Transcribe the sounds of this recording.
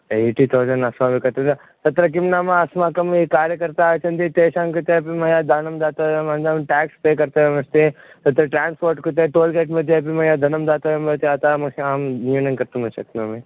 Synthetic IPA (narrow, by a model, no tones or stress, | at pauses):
eiʈit̪ʰoːd͡ʒɐnɐsmabikɐɾt̪ea | t̪ɐt̪ɾɐk̬ɪmnaːmãɐsmãkɐmikaːɾjəkɐɾt̪aːt͡ʃʰɐnt̪it̪eːʃãːŋkut̪epimɐ̃jad̪ʱanɐmd̪aːt̪aʋemɐ̃nd̪amʈɛːkspeːkɐɾt̪eʋemɐst̪e | t̪ɐt̪ɾɐʈɾaːnspoːɾʈkut̪eʈoːlkeːʈmẽd̪epimɐ̃jaːd̪ʱɐnɐmd̪aːt̪aʋembɐt̪eaːt̪amɐaːmniunɐnkɐɾt̪ũmɐsɐk̚t̪õmẽ